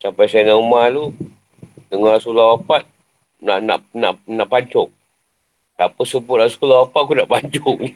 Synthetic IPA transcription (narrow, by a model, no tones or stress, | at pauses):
sapajsajnaumalu | dəŋaɾasulawapat̪̚ | naʔna̰ʔna̰ʔnaʔpaɲt͡ʃɔk̚ | sapəsəbʊt̪̚rasulawapaʔ̚kunaʔpaɲd͡ʒʊk̚ni